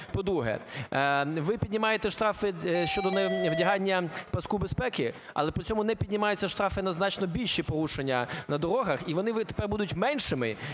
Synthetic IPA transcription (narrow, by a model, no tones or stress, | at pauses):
pɔd̪ɾuɦɛ̰ | ʋɪpʲid̪ʲnʲɪmɑjet̪ɛʃt̪ɾɑfɪʃt͡ʃɔd̪ɔnɛʋdʲɐɦɑnʲːɐpɐskubespɛkɪɐ̰lˠɛpɾit͡sʲɔmʊnɛpʲidʲnʲɪmɑjʊt͡sʲːɐʃt̪ɾɑfɪnɐznɑt͡ʃnɔbʲilʲʃipɔɾuʃenʲːɐnɐd̪ɔɾɔɦɐxiʋɔnɪt̪e̥pɛrbud̪ʊtʲmɛnʲʃɪmɪ